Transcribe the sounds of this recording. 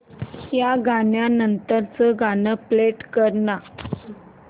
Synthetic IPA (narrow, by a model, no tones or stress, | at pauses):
jaɡʱaɳjanənt̪əɾt͡səɡʱanəpleʈkəɾna